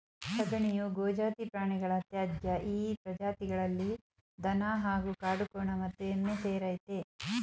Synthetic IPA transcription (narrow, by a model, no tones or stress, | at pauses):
sɐɡɐɳijuɡoːd͡ʒaːt̪ipɾaːɳiɡɐɭɐːt̪jaːd̪jɐʔiːpɾɐd͡ʒaːt̪iɡɐɭɐlːi | d̪ɐnaɦaːɡukaːɽukɔːɳɐmɐt̪ːuenːeseːɾajt̪e